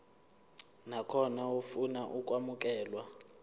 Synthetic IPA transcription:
nakʰɔnaufunaʔukʼwamuk̬ʼɛːlwa

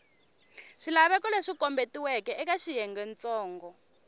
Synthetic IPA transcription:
ʂilaβɛkɔleʂikɔmbetiwɛkɛɛk̬aʃijɛŋɡɛnt͡sɔːŋɡɔ

